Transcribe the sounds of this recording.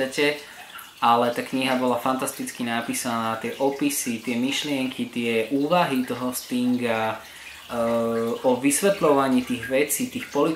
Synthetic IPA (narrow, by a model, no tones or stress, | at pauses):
acɛ | alɛt̪aːkɲiɦabɔlafant̪ast̪it͡skinapiːsanaːt̪ɪɛʔɔpisit̪ɪɛmiʃlɪɛŋkʰit̪ɪɛʔuːʋaɦit̪ɔɦɔst̪iŋɡa | ɔʋisʋɛt̪lɔʋaɲiːt̪iːɣʋɛt͡siːt̪iːxpɔli